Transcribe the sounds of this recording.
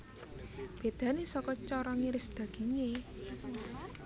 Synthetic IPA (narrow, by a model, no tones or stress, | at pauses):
b̥e̤d̪̥ä̤nesɔkɔt͡ʃɔɾɔŋiɾɪsd̪̥ä̤ɡ̥i̤ŋe